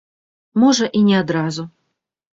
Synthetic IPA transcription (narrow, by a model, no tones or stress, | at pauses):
mɔʐɐʔinʲɛad̪ɾazu